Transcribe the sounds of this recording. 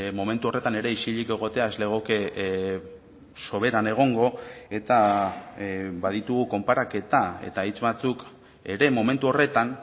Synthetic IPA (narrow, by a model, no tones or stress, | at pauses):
mo̞me̞nt̪uo̞re̞t̪ane̞ɾe̞isiʎike̞ɣ̞o̞t̪e̞ae̞zle̞ɣ̞oke | so̞β̞e̞ɾane̞ɣ̞o̞ŋɡo̞e̞t̪a | baðit̪uɣ̞uko̞mpaɾake̞t̪ae̞̰t̪ait͡sβat͡suk | e̞ɾe̞mo̞me̞nt̪uo̞re̞t̪an